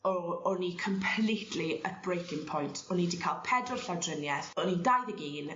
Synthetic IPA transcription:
ɔɔnikʰəmpʰlitʰliət̚b̥rejkɪŋpʰɔjntʰɔnidikʰalˠpʰɛdrɔlˠɬadrənjɛθɔnidajðəɡiːn

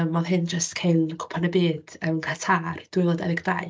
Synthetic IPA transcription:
mɔðɦɪnd͡ʒəstkʰeɨnkʰʊ̥pʰanəbiːd̥əmkʰatʰard̥ʊɨlˠɔdɛ̰ðɪɡda̰ɨ

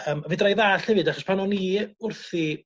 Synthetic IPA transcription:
əːmvɨdrajðaːɬhɛvɨdaχɔspʰanɔniʊrθi

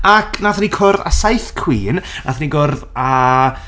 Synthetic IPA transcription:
akʰnaθnikʰʊrða̰sajθkʰw̥iːnna̰θniɡʊrða

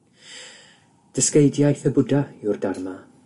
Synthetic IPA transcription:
d̥əskejdjajθəbʊdaɪwrdarma

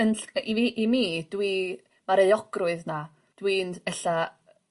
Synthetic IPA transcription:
ənɬiiʔimiːd̥wi | maɾejɔɡ̥rʊɨðna | d̥wiːndɛɬa

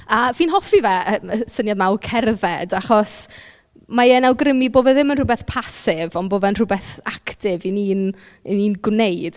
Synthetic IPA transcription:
aviːnɦɔfivɛəməsənjadmawkʰɛrðɛdaχɔs | maənawɡrɪmiboːvɛðɪmənrʊbɛθpʰasɪvɔnboːvɛnrʊbɛθaktɪviniːn | niːnɡwneɨd̥

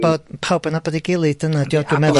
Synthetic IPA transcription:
b̥ɔd̥pʰawbənabɔdiɡɪlˠidənadiɔdumɛðɔ

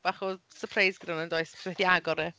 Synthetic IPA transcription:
b̥aχɔsəpʰrajzɡ̥danəndoɨsswɛdiaɡɔɾɛ

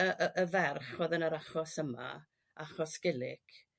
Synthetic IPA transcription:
əʔəʔəvɛrχwɔðənəɾaχɔsəma̰ | aχɔsɡ̥ɪlˠɪ̰k

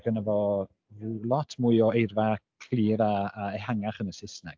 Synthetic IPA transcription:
ɡ̥ənəvɔ | rulˠɔtʰmuɨɔejrvakʰl̥iːɾaːɛhaŋaχənəsɪsnɛɡ̥

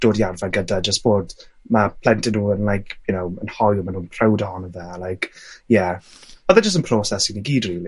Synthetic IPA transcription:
d̥oːdjarvaɡədad͡ʒəstb̥oːdmapʰl̥ɛntɪnuːənlˠajkʰjʊnowənhɔjmanũːnpʰrawdaɔnəðɛlajkjɛ̥oðəd͡ʒəs̬tənpʰr̥oːsɛsiniɡiːdriːli

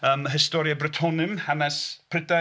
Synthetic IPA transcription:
əːməɦɪstɔɾjabrɪtʰɔnɨmhanɛspʰrɪda

